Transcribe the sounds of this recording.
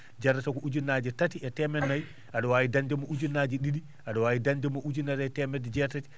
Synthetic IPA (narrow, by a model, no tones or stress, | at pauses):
d͡ʒaɾatakɔʔud͡ʒunːad͡ʒɛtatiɛtɛmɛnːaj | ʔaɗɔwawidand͡ʒɛmɔʔud͡ʒunːad͡ʒiɗiɗi | ʔaɗɔwaːwidand͡ʒɛmɔʔud͡ʒinːatatɛmɛtd͡ʒɛtat͡ʃ